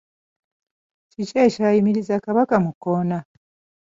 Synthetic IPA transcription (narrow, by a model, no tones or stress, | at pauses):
cicecaːjimiɾizakaβakamukːona